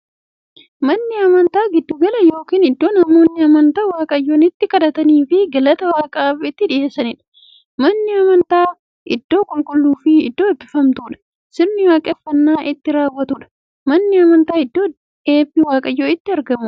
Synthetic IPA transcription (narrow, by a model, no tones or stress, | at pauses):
mɐnːɪɐmɐnt̪aːɡɪd̪ːʊɡɐlɐjo̞ːkiːnɪd̪ːo̞ːnɐmo̞ːnːɪɐmɐnt̪aːwaːkʼɐjːonɪt̪ːɪkɐd̪ɐt̪ɐniːfɪɡɐlɐt̪ɐwaːkʼɐaːfɪt̪ːɪᶑɪje̞ːsɐnɪᶑɐ̥ | mɐnːɪɐmɐnt̪aː | ʔɪ̰d̪ːo̞ːkʼɔŋkʼɔlːuːfɪɪ̰d̪ːo̞ːɛbɪfɐmt̪uːᶑɐ̥ | sɪɾnɪwaːkʼɐfːɐnːaːʔɪt̪ːɪɾaːwːɐt̪uᶑɐ̥ | mɐnːɪɐmɐnt̪aːɪd̪ːoː | e̞ːbɪwaːkʼɐjːoːɪt̪ːɪɐɾɡɐmʊ